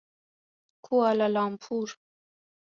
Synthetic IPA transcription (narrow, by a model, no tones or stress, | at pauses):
kʰualalɑːmpʰuɾ